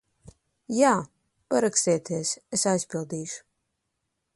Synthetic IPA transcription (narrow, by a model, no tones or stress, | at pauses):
jaː | paɾakst̪eːt̪ʰeɛsɛsajspilˠd̪iːʃu̥